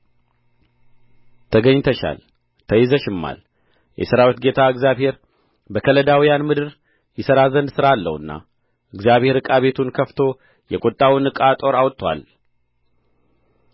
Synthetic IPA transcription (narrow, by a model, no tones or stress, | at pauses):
t̪ʰəɡəɲːt̪ʰəʃa̰l | t̪ʰəjɪzəʃɪmːa̰l | jʔɛ̰səɾawit̪̚ɡe̞t̪ʰaɨɡzjaβhe̞ɾ | bəkʰələd̪awijanmɨd̪ɨɾ | jɪsəɾazənd̪sɨɾalːə̰wɨnːa̰ | ʔɨɡzjaβhe̞ɾɨkʼaβe̞t̪ʰunkʰəft̪ʰo̞ | jɛkʷʼot̪ʼːawinɨkʼat̪ʼo̞ɾawt̪ʼːwa̰l